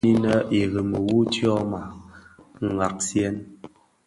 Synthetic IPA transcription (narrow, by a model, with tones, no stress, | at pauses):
i˦nə˦ʔi˨ɣə˨mə˨wu˦tjɔ˦ma˨ | ŋ̩˨ɡa˨k̚sjɛ˦n